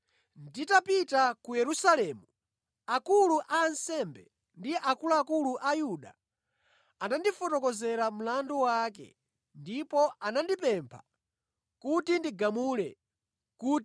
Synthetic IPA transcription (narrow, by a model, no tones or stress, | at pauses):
nditapitakujɛɾusalɛmu | akuluʔaːnsɛmbɛ | ndijɛʔakulakuluʔajuɗa̰ | anandifɔtɔkɔzɛɾam̩landuwakɛ̰ | ndipɔʔanandipɛmpʰa̰ | kutindiɡamulɛ | ku